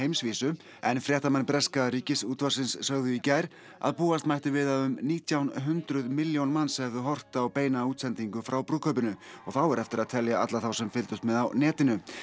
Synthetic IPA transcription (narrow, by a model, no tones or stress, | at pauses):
ejmsviːsʏ | ɛnfɾjɛht̪amanːpɾɛskaɾiːcɪsuːt̪vasɪnsːœɣðʏicajɾ̥ | a̰ðpuːast̪majht̪ɪvɪðaðʏmniːt̪ʰjawnɦʏnt̪ɾʏðmɪljownmanːsɛðʏɦɔr̥t̪awpeːjnauːt̪sɛnt̪iŋkʏfɾawpɾuːkʰœːpʏnʏɔ̰ɣθawɛɾɛft̪ɪɾaðt̪ʰɛljaa̰t̪laθawsɛmfɪlt̪ʏst̪mɛðawnɛːt̪ɪnʏ